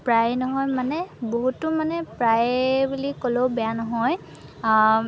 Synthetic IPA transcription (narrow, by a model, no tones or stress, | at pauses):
pɹajnɔɦɔjmanɛboɦutʊmanɛpɹajbulikoloʊbɛjanɔɦɔj